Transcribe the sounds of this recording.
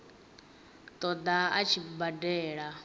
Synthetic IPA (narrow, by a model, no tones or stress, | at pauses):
t̪ʼɔd̪aa̰t͡ʃʰibadɛːɺa